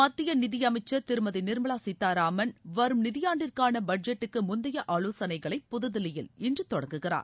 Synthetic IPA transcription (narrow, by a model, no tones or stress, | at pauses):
mɐt̪ːɪjɐnɪðɪjɐmɐɪt͡ʃːɐɾt̪ɪɾɯmɐðinɪɾmɐɭaːsit̪ːaːɾaːmɐnʋɐɾɯmnɪðɪjaːɳɖɪrkaːnɐbɐɖ̚d͡ʒɛʈːɯkːɯmʊnd̪ɐjɐʔaːloːsɐnɐɪɣɐɭɐɪpːʊðɯðɪlɐjɪlɪndrɯt̪ɔɽɐŋɡɯɣɪra̰ːɾ